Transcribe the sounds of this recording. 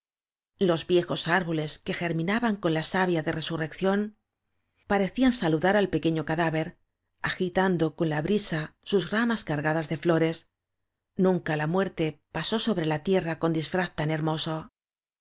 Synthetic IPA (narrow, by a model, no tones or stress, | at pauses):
lo̞zβje̞xo̞saɾβo̞le̞ske̞xe̞ɾmĩnaβaŋko̞nlasaβjaðe̞re̞sure̞kθjo̞n | paɾe̞θiansaluðaɾalpe̞ke̞ɲo̞kaðaβe̞ɾ | axit̪and̪o̞ko̞nlaβɾisasuzramaskaɾɣaðazðe̞flo̞ɾe̞s | nũŋkalamwe̞ɾt̪e̞paso̞so̞βɾe̞lat̪je̞rako̞nd̪isfɾaθt̪ane̞ɾmo̞so